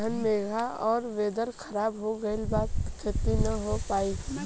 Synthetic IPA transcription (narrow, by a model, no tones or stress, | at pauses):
ənmeːɡʱaɔːɾʋeːd̪əɾkʰɐɾaːbɦoɡɐɪlbaːt̪kʰeːt̪inɐɦopaːiː